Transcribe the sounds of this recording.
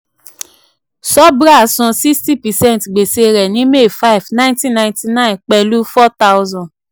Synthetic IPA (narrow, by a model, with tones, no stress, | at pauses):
sɔ˦bɾa˦˨˦sɔ̃˧si˦ksti˦pɛ˨sɛ̃˦ntɡ͡be˨se˨˦ɾɛ˨nĩ˨˦me˦˨fa˦i˨vnã˦ntĩ˦nã˧j̃nti˦nã˦˨ĩ˨nk͡pɛ˨lu˦fɔ˦ta˦wzɔ̃˨